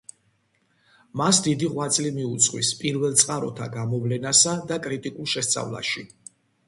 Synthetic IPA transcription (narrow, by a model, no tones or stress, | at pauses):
masd̪id̪iʁwat̪sʼlimiut̪sʼqʼwḭspʼiɾvɛlˠt̪sʼqʼaɾɔt̪ʰaɡamɔvlɛnasad̪akʼɾit̪ʼikʼulˠʃɛst̪sʼa̰vlˠa̰ʃi